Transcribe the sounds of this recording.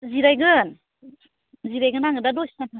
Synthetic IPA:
ziɾajɡɯn | ziɾajɡɯnaŋɡɯdadɔsi̥nantʰɯ

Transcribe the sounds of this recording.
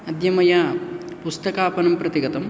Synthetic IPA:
ɐd̪jɐmɐjapust̪ɐkaːpɐnɐmpɾɐt̪iɡɐt̪ɐm

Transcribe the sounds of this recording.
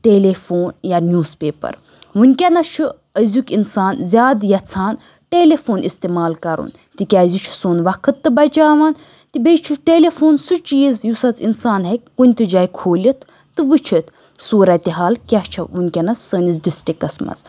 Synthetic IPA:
ʈeːlefoːnjanʲjuːzpeːpɐ̰ɾ | ʋunʲkʲɐnɐt͡ʃʰu | əzʲukʲinsaːnzʲaːd̪jɐt͡sʰaːn | ʈeːlefoːnʔist̪eːmaːlkɐɾṵn | t̪ikʲazʲut͡ʃʰu̥soːnʋɐkʰɨt̪ːɨbɐt͡ʃaːʋaːn | t̪ibet͡ʃʰuʈeːlefoːnsut͡ʃiːzjusɐt͡sinsaːnɦɐk̚ʲkunʲt̪ɨd͡ʒaːikʰoːlʲit̪ʰː | ɨʋɨt͡ʃʰət̪ | suːɾɐt̪iɦaːlkʲat͡ʃʰɐʋunʲkʲɐnɐsːəːnizɖisʈikɐsmɐ̰z

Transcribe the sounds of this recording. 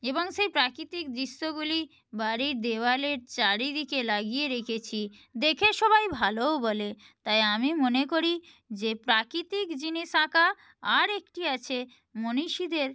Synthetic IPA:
eboŋʃejpɾakɾit̪ik̚d̪iʃt̪oɡuli | baɾiɾd̪eoaleɾt͡ɕaɾid̪ikelaɡijeɾekʰet͡ɕʰi | d̪ekʰeʃɔbajbʱaloobɔle | t̪ajamimonekoɾi | d͡ʑepɾakɾit̪ikd͡ʑiniʃaka | aɾekʈiat͡ɕʰe | moniʃid̪eɾ

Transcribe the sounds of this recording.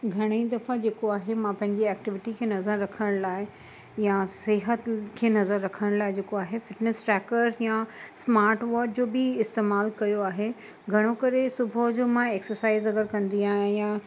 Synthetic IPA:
ɡʱɐɽ̃id̪ɐfad͡ʑeːkoaːɦemãpɐ̃ɦɪ̃ɲd͡ʑiɛːk̚ʈɪʋɪʈikʰeːnɐzəɾːɐkʰəɽ̃ɽ̃laːɪ | jasɪɦət̪kʰeːnɐzəɾːɐkʰəɽ̃laːɪd͡ʑeːkoaːɦefɪʈnesʈɾɛːkəɾjãsmaːɾʈʋɔːɾkd͡ʑoːbɪɪst̪eːmaːlkɐjoaːɦe | ɡʱɐɽ̃okɐɾesʊbʱod͡ʑoːmãeːksəɾsaːɪzɐɡəɾkɐ̃nd̪iaːɦjãjã

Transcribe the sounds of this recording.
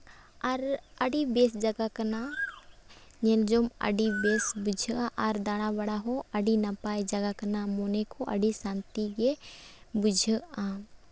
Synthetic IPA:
ɐɾɐɽibeːsd͡ʒɐɡakəna | ɲeld͡ʒomɐ̰ɖibeːsbʊd͡ʒʱãʔaɾd̪aːɽ̃abɐɽaɦoɐɖinapaːjd͡ʒɐɡakənamonekʰoʔɐ̰ɖisãːnt̪iɡebʊd͡ʒʱəã

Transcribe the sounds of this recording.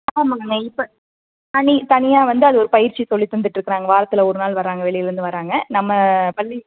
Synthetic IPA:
aɐmaŋɡɐɪpːɐ | t̪ɐnɪt̪ɐnɪjaːʋɐnd̪ɯɐðɯɔɾɯpɐjɪɾt͡ʃːisɔlːit̪ːʊɐnd̪ɯʈːɾɯkːɾaːŋɡɐʋaːɾɐt̪ːɯlɐɔɾɯnaːlʋɐɾaːŋɡɐʋɛɭɪjɪlɪɾɯnd̪ɯʋɐɾaːŋɡɐnɐmːɐpɐlːi

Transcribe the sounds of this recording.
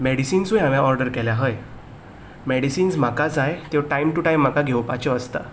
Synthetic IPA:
mɛɽisiːnsujamjaɔɾɖəɾkɛljaɦəj | mɛɽisiːnsm̤akad͡zajt̪eʈajmʈuʈajmːakaɡʱewpa̰t͡ɕɔəst̪a̰

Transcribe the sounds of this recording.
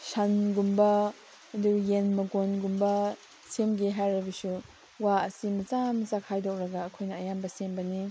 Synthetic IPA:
sanɡumbɐ | ɐduɾjenmɐɡonɡumbɐ | semɡeɦajɾɐbisu | waɐsimɐzamzakʰhajdɔk̚ɾɐɡaːkʰojnɐːjambɐsembɐni

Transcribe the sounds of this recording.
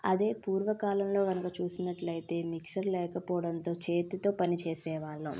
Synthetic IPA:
ɐd̪e̞ːpuːɾʋɐkaːlɐmlo̞ːɡɐnukɐt͡ʃuːsinɐʈlɐjit̪e̞ːmikʂɐɾlɛːkɐpɔːɐɽɐnt̪o̞ːt͡ʃe̞ːt̪it̪o̞ːpɐnit͡ʃeːsɛːʋaːɭːṵ

